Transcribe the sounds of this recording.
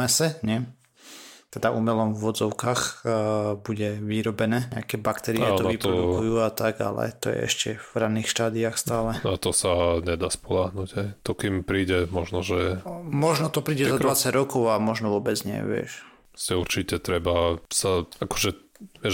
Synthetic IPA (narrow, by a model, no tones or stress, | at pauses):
ɛsɛɲɛ | t̪ɛd̪aʔumɛlɔmvʋɔd͡zɔʊkaːx | buɟɛʋiɾɔbɛnɛːɲɛ̰akɛːbakt̪ɛɾiɪat̪ɔʋip̪ɾɔd̪kujuːat̪aɡa̰lɛ̰t̪ɔ̰jɛ̰ɛ̰ʃcɛvɾaniːxʃt̪aːd̪iaxst̪aːlɛnat̪ɔsaɲɛd̪aːspɔlaɦnuɟɦɛjt̪ɔkimpɾiːɟɛmɔʒnɔʒɛmɔʒnɔt̪ɔpɾiːɟɛzad̪ʋat͡saɟɾɔkɔʊamɔʒnɔʋʊɔbɛd͡zɲɪɛ̰ʋɪɛ̰ʃɾɔscɛuɾt͡ʃicɛt̪ɾɛbasaakɔ̥ʒɛ | ʋɪɛ